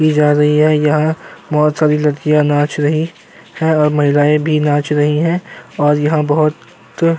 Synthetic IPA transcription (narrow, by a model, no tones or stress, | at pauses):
kid͡ʒaːɾɐɦiɦɛjɐɦãmɔːt̪saːɾilɐɾkijãnãːt͡ʃɾɐɦi | hɛ̃ɔːɾmɐɦɪlaːebʱinãːt͡ʃɾɐɦiɦɛ̃ɔːɾjɐɦãbɐɦʊt̪